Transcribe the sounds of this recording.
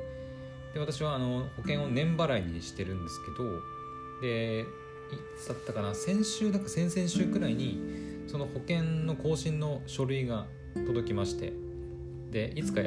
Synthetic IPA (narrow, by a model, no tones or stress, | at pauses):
d̪̥e̞βat̪aɕ̬iβaːno̞ho̞kẽ̞ɰ̃o̞nẽ̞mbaɾaiɲ̟iɕi̥t̪e̞ɾɯ̟̃nd̪e̞sɨ̥ke̞d̪o̞ | d̪e̞ | it͡sɨd̪at̪ːakanasẽ̞ɰ̃ɕɨːd̪akasẽ̞sẽ̞ɰ̃ɕɨːɡɯ̟ɾaiɲ̟i | so̞no̞ho̞kẽ̞nno̞ko̞ːɕĩnːo̞ɕo̞ɾɯ̟iɡa | t̪o̞d̪o̞kʲimaɕi̥t̪e̞̰ | d̪e̞ʔit͡sɨ̥ka